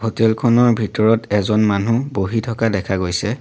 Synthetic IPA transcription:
ɦotɛlkʰɔnɔɹbʱitɔɹɔtɛzɔnmanuboɦitʰɔkadɛkʰaɡojsɛ

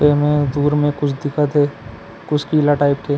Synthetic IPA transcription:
emẽd̪uːɾmẽkʊt͡ʃʰd̪ɪkʰat̪ʰeː | kʊt͡ʃʰkiːlaʈaːɪpt̪ʰeː

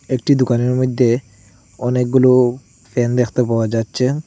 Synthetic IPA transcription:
ekʈid̪ukaneɾmod̪ʱːe | ɔnek̚ɡulo | fend̪ekʰt̪epaoad͡ʑatːɕʰe

